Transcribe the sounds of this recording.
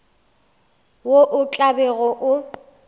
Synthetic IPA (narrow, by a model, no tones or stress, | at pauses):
woʔʊt͡ɬʼabɛɣɔʔʊ